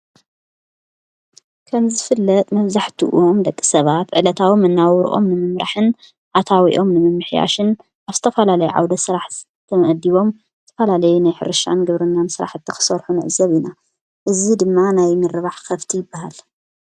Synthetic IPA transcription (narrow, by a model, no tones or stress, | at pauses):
kʰɐmzɨfɨlːɐt̪ʼmɐβzaħt̪ʰiʔṵʔomd̪ɐkʼːi̥sɐβat̪ʕɨlɐt̪ʰawimɨnːawɾ̰ʔo̞̰mnɨmɨmɾa̰ħɨn | ʕat̪ʰawḭʔo̞mnɨmɨmːɨħja̰ʃɨn | ʔaβzɨt̪ʰɐfɐlalɐjuʕa̰wd̪ɐsɨɾaħ | t̪ʰːɐmʔd̪ːiβo̞m | zɨt̪ʰɐfɐlalɐjunajħɨ̰ɾɨʃa̰nɡɨβɾɨnːansɨɾa̰ħzɨt̪ʰːixɨ̥sɐɾħunɨʕzɐβina | ʔɨzid̪ɨmːanajmɨɾːɨβaħkʰɐβt̪ʰijɪbːahal